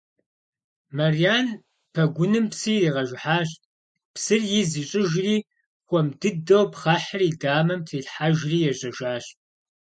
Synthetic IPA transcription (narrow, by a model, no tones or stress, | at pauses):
mɐrijaːn | pʰɐɡʷʊnɨmpsiːriːʁɐʒʷħaːɕʼ | psɨrjɪziːɕʼɪʒriː | xʷɔmdɨdɐwpχaːħriːdaːmɐmptʰiːɬħaʒriːjɛɕʼɐʒaːɕʼ